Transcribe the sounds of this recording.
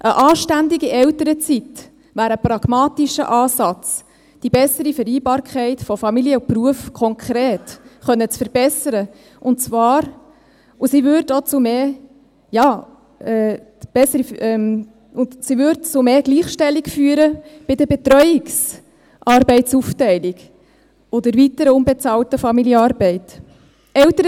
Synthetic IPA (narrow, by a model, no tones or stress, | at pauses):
ʔəʔɑːʃtændɪɡiʔɛwtəɾət͡sit | ʋæːɾəprɑɡ̥mɑːtiʃə̰ʔɑːsɑt͡s | d̥ibɛsəɾifəɾiːbɑːɾkʰɛɪtfɔfɑmiliəupruəfkʰɔŋkʰɾeːtχœnːət͡sfəɾb̥ɛsəɾə | ʔʊntt͡svɑːɾ | usivʏɾdot͡sumeː | jɑː | ɛː | b̥ɛsəɾifʔɛm | ʊntsivʏɾtt͡sumeːɡ̥liːχʃtɛlːikfyːəɾəb̥ɪdəbɛt̪ɾœʏɪks | ʔɑɾbɛɪtsuftɛɪliɡ | ɔdəɾvitəɾəʊmbɛt͡sɑːltəfɑmiljəɑːɾbɛɪt | ɛltəɾə